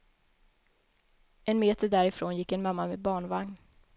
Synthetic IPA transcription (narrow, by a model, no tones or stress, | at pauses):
ʔɛnmeːt̪əɖæːɾɪfɾoːnjɪkːɛnmamːamɛbɑːɳvaŋn